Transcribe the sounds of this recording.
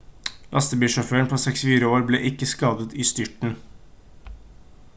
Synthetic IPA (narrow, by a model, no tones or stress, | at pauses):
lʔɑ̰st̪əbiːʃɔføːəɳpʰoːsɛksfiːɾəoːɾbleːʔɪkːəskɑːd̪ət̪iːst̪ʏʈɳ̩